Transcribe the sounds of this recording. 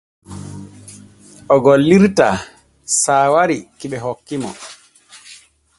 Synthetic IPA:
ʔɔɡolːiɾta | saːwaɾikiɓɛɦokːimɔ̰

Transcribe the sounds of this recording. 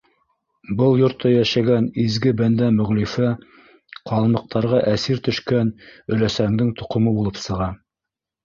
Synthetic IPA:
bɤlˠjŏɾt̪ːɑjæʃæɡænizɡɘbænd̪æmɵ̆ʁlifæ | qɑlˠmɤ̆q̚t̪ʰɑɾʁɑʔæsiɾt̪ɵ̆ʃkænɵ̆læsæŋd̪ɘŋt̪ŏqŏmɤbulˠɤpsɤ̆ʁɑ

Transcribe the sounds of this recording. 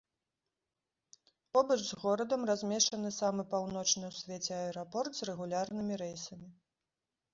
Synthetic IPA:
pɔbɐʐzɣɔɾɐd̪ɐmrazʲmʲɛʂt͡ʂɐnɨsamɨpawnɔt͡ʂnɨwsʲvʲet͡sʲɛɐɛɾɔpɔrt̪zrɛɣulʲarnɨmʲiɾɛjsɐmʲi

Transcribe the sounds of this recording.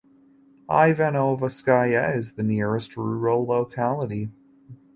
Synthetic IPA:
ʔa̰ɪvɛnoʊvəskaɪɛɨzðɨnɪɹɨst̚ɹʉɹəlloʊkʰælˠəɾi

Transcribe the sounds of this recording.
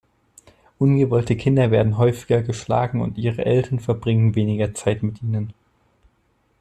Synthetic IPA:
ʔʊnɡəvɔltəkʰɪndɐveːɐdn̩ɦɔʏfɪ̥ɡɐɡəʃla̰ːɡŋ̩ʊ̰ntʔiːʁə̰ʔɛltʰɐnfɛɐbʁɪŋənveːnɪɡɐt͡saɪtmɪtʔiːnən

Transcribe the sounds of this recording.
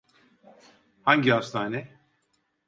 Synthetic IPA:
haɲɟihast̪ʰaːnɛ

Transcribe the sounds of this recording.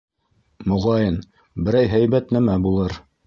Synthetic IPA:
mŏʁɑjɤn | bɘ̆ɾæjɦæjbæt̪næmæbulˠɤɾ

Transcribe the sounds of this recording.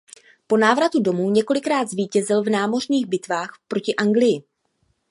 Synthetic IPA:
po̞naːvɾat̪udo̞muːɲɛko̞lɪkɾaːd̪zviːcɛzɪlvnaːmo̞r̝ɲiːɣbɪt̪vaːxpɾo̞cɪʔaŋɡlɪjɪ

